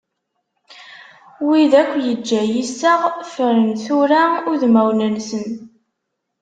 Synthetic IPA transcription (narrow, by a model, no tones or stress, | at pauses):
wiðækʷːjəd͡ʒːæjisəʁfəɾənθʊɾaʊɾðmæwnænsən